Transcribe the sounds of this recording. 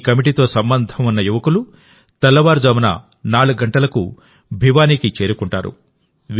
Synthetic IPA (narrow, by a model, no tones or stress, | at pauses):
kɐmiʈiːt̪o̞ːsɐmbɐnd̪ʱɐmunːɐjuʋɐkulu | t̪ɐlːɐʋaːɾd͡ʒɐmɐnɐ̰ | naːɭuɡɡɐɳʈɐlɐkṵ | bʱiʋaːniːkit͡ʃe̞ːɾukuɳʈa̰ːɾṵ | ʋ